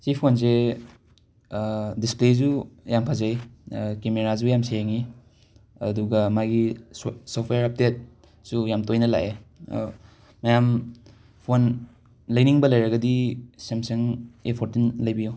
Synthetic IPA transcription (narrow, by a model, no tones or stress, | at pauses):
t͡ʃipʰons̬e | displezujampʰazajkemeɾazujamseeŋi | ɐ̰duɡɐmaɡisopʰejaɾap̚tet̚ | sujamtojnɐla̰ʔḛ | ɐjam | pʰon | lɐjniŋbɐlɐjɾɐɡɐdisemseŋepʰoɾtunlɐjbijow